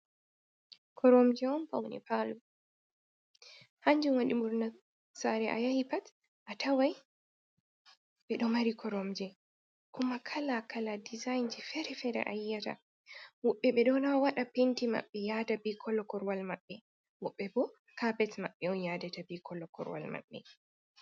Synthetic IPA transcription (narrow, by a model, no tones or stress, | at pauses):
kʰɔɾɔmd͡ʒɛɔnpawnḭpalu | haɲd͡ʒunwaɗimuɾna | saɾɛʔa̰jahipat | ʔatawaj | ɓɛɗɔmaɾikʰɔɾɔmd͡ʒɛ | kumakʰalakaladizajnd͡ʒɛfɛɾɛfɛɾɛ̰ʔa̰jːata̰ | wɔɓːɛɓɛɗɔnawaɗapentima̰ɓːɛjadabikʰɔlːɔkɔɾwalmaɓːɛ | wɔɓːɛbɔ | kabɛtmaɓːɛɔnjaːdatabikʰɔlːɔkɔ̰ɾwa̰lma̰ɓːɛ̰